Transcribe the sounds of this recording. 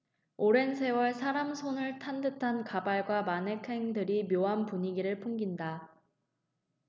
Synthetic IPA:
oɾe̞ns̬ʰe̞wʌɭsʰaɾamsʰonɯɭtʰandɯtʰankabaɭɡwamanɦe̞kʰe̞ŋdɯɾimjoɦanpuɲiɡiɾɯɭpʰoŋɡinda

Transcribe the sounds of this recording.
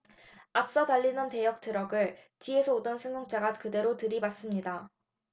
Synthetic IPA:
ap̚s͈ʌtaʎːinɯnte̞jʌk̚t͈ʰɯɾʌɡɯɭ | t͡ɕie̞sʰʌod͈ʌnsʰɯŋjoŋt͡ɕ͈aɡakɯde̞ɾotɯɾibas͈ɯmɲida

